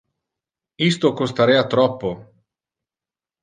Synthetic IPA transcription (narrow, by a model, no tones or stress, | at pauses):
ist̪okost̪aɾɛːat̪ɾɔpːo